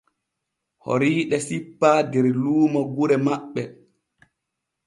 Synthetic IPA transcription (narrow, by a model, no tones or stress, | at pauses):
ho̰ɾiːɗɛsipːaːdɛɾluːmɔɡuɾɛmaɓːɛ